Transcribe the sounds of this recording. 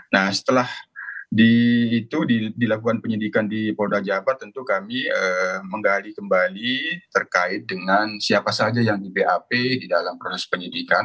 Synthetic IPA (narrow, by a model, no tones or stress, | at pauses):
nahsə̥t̪əlahdiːt̪uidilakukanpəɲidikandipodad͡ʒabat̪ːənt̪ukamiəməŋɡalikəmbalit̪ərkaɪt̪̚dəŋansiapasad͡ʒajaŋdibeʔapedidalampɾosɛspəɲidikan